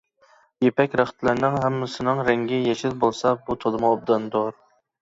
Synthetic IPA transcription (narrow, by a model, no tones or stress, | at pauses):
jepɛkʲɾæχə̥t̪lˠɨɾnɨŋɦɛmːɪsɪnɨŋɾɛŋɡʲɪjɛʃɪd̪bolˠsɑbut̪ʰod̪ɨməob̚d̪ɨnd̪oɾ